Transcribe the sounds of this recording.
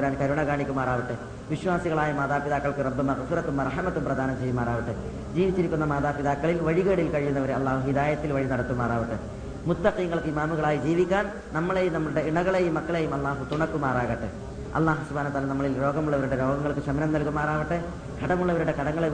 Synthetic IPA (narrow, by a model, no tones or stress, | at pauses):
ɾaːnkɐɾuɳɐɡaːɳikʲːumaːraːʋiʈːɨ | ʋiɕwaːsiɣɐɭaːjɐmaːðaːpiðaːkːɐɭkɨrɐbːumɐɣɐfiɾɐt̪ːumːɐrɐħmɐt̪ːumprɐd̪ʱaːnɐt͡ɕːejumːaːraːʋiʈːɨ | d͡ʑiːʋit͡ɕːiɾikʲːunːɐmaːðaːpiðaːkːɐɭilʋɐɻiɣeːɽilkɐɻijunːɐʋɐɾeɐlːaːɦuhid̪aːjɐt̪ːilʋɐɻinɐɽɐt̪ːumːaːraːʋiʈːɨ | mut̪ːɐqiːŋːɐɭkɨimaːmuɣɐɭaːjid͡ʑiːʋikʲːaːn | nɐmːɐɭejumnɐmːuɭuɽe̞iɳɐɣɐɭe̞jumːɐkːɐɭe̞jumɐlˠˤːaːɦut̪uɳɐkːumaːraːɣɐʈːɨ | ɐ̰lːaːɦusubʱaːnɐt̪alɐnɐmːɐɭilɾo̞ːɡɐmuɭːɐʋɐɾuɽe̞ɾo̞ːɡɐŋːɐɭkɨɕɐmnɐmnɐlkumaːraːʋiʈːɨ | ɡ̥ʱɐɽɐmuɭːɐʋɐɾuɽe̞kɐɽɐŋːɐɭe